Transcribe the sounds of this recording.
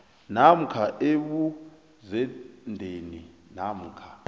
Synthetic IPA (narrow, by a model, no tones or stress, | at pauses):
nam̩kʰaʔeɓu | zɛndʱeni | nam̩ːkʰa